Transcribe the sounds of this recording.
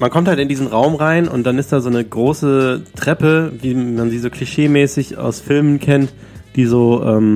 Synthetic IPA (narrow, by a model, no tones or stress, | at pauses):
mankʰɔmthaltɪndiːzn̩ʁaʊmʁaɪnʔʊ̰nt̚d̥anɪst̚d̥aːzoːnəɡʁoːsətʁ̥ɛpəviːmanziːzoːkʰl̥iʃeːmɛːsɪça̰ʊsfɪlmənkʰɛnt | d̥iːzoːʔɛːm